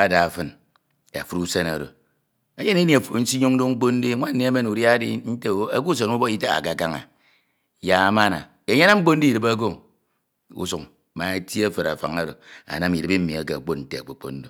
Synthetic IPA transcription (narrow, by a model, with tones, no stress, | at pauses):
a˦da˨fɨ˦n | a̰˨fu˦ɾu˦se˦na˨ɾo̰˨ | e˦ɲe˦ne˦ni˨a˨fn̩˦si˦ɲu˦ŋ˦do˦ŋ͡m̩˦k͡po˦n˦di˦ŋʷa˦n̩˦ne˨e˦me˦nu˨ɾja˦dḭ˦n̩˦te˦a˦ku˦s̬e˨nu˦bo˦i˦ta˦ɣa̰˨ka˨ka˦ŋa̰˨ | ja˨˦ma˦na̰˨ | e˨˦ɲ˦na˦mŋ͡m̩˦k͡po˦n̩˦di˦i˨dɨ˨ba˦ɡo˦˨ | ṵ˦su˨ŋ˨ | ma˨e˦tja˦fe˨ɾa̰˨fa̰˨ŋa˦ɾo̰˨a̰˨na˦mi˨ɾɨ˨˦bi˦m̩˦mi˨a˨ke˨k͡po˦n̩˨te˨a˨k͡po˨k͡po˦n̩˦do˦